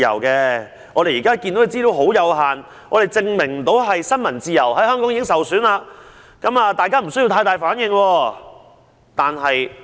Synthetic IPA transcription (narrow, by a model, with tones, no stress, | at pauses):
jɐ̰˨˩wkɛː˧ | ɔː˨˧ɾe˨jiː˨kaː˥kiː˧nd̪o˧˥e˨˧t͡si˥ɾo˨˥wɦo˨˥wjɐ˨˧wɦaː˨n | ʔɔː˨˧ɾe˨jt͡sɪ˧ŋmɪ˨˩ŋm̩˨˩t̪o˨˥wɦɐ˨jsɐ˥nmɐ˨˩nt͡siː˧jɐ˨˩whɐ˨˥jhœː˥ŋkɔː˥ŋiː˧˥ŋsɐ˨wsyː˨˥naː˧ | kɐ˨˥maː˧t̪aː˨jkaː˥m̩˨˩sɵ˥ji˧wt̪ʰaː˧jt̪aː˨jfaː˨˥njɪ˧ŋwɔː˧ | t̪aː˨nɦɐ˨j